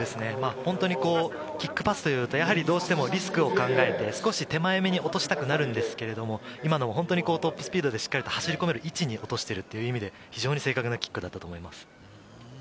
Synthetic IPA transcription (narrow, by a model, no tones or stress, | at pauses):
d̪e̞sɨne̞mahõ̞nt̪o̞ɲ̟iko̞ː | kʲikːɯ̟̥pasɨ̥t̪o̞jɯ̟ːt̪o̞jaɦaɾʲid̪o̞ːɕi̥t̪e̞mo̞ɾʲisɨ̥kɯ̟o̞kãŋɡae̞t̪e̞sɨ̥ko̞ɕit̪e̞maeme̞ɲ̟io̞t̪oɕi̥t̪akɯ̟naɾɯ̟̃nd̪e̞sɨ̥ke̞ɾe̞d̪o̞mo̞imad̪o̞mo̞ɦont̪o̞ɲ̟iko̞ːt̪o̞pːɯ̥sɨ̥pʲiːd̪o̞d̪e̞ɕi̥kːaɾʲit̪o̞haɕiɾʲiko̞me̞ɾɯ̟ʔit͡ɕiɲ̟iʔo̞t̪o̞ɕi̥t̪e̞ɾɯ̟t̪ːe̞jɯ̟imʲid̪e̞ | çiʑo̞ːɲ̟ise̞ːkakɯ̟nakʲi̥kːɯ̟d̪at̪ːat̪o̞ːmo̞imasɨ̥